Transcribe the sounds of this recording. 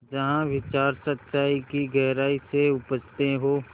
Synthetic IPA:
d͡ʒɐɦãʋɪt͡ʃaːɾsət̪ːʃaːikiɡɛɦɾaːiseʊpəd͡ʒt̪eɦoː

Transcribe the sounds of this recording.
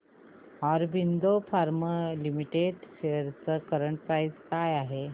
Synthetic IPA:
ɔɾbind̪ofaɾməlimiʈeɖɕeɾt͡səkəɾəɳʈpaid͡zkajaɦe

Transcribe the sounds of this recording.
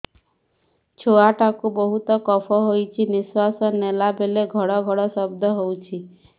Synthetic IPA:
t͡ʃʰoaʈakubɔɦut̪ɔkɔpʰɔɦojt͡ʃʰiniswasɔnːelabeleɡʱɔɽɔɡʱɔɽɔsɔbd̪ʱɔɦowt͡ʃʰi

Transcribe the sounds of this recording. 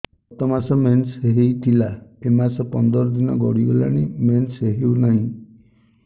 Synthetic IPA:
t̪ɔmasɔmensɦeɦejt̪ʰilaemasɔpɔnd̪ɔɾɔd̪inɔɡɔɽiɡelaɽ̃imensɦeɦewnaɦĩ

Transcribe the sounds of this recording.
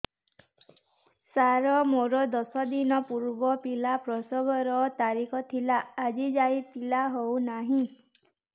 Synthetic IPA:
saɾɔmoɾɔd̪ɔsɔd̪inɔpuɾbɔpilapɾɔsɔɡɔɾɔt̪aɾikʰɔt̪ʰilaːd͡ʒid͡ʒajpilaɦownaɦĩ

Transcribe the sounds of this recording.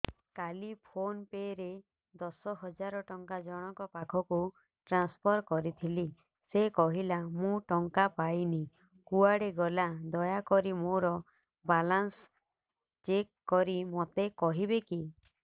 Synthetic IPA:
kalipʰonpeɾe | d̪ɔsɔɦɔd͡ʒaɾɔʈɔŋkad͡ʒɔɽ̃ɔkɔpakʰɔku | ʈɾanspʰɔɾkɔɾit̪ʰili | sekɔɦilamũʈɔŋkapajni | kuaɽeɡɔlad̪ɔjakɔɾimoɾɔ | balans | t͡ʃekːɔɾimot̪ekɔɦibeki

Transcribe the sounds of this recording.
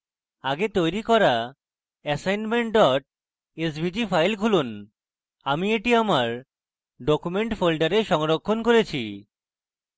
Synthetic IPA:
aɡet̪ojɾikɔɾa | ɛsajnmeɳʈ̚ɖɔʈ̚ | es̬bid͡ʑifʰajlkʰulun | amieʈiamaɾ | ɖɔkumeɳʈfolɖaɾeʃɔŋɾokʰːonkoɾet͡ɕʰi

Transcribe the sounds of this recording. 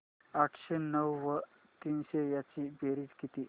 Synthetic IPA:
aʈʰɕenəwʋə | t̪iːnɕejat͡ɕiːbeɾiːd͡ʑkit̪iː

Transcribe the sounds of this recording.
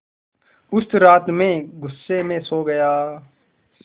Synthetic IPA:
ʊst̪ɾaːt̪mẽːɡʊsːeːmẽːsoːɡəjaː

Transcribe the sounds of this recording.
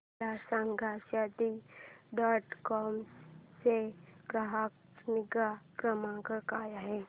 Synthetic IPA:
asãŋɡʱaʃad̪iɖɔːʈkɔːmsekɾaɦak | mɪɡakɾəmãɡəkaːjaɦɛː

